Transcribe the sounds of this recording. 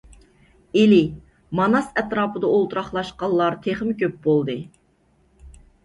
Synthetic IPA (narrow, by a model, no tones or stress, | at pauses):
elɪ | mɑnɑsɛt̪ɾɑːpəd̪ɑolˠt̪uɾɑχlˠɑʃqɑlˠːɑɾt̪ʰeχmkʲøp̚bolˠd̪ɨ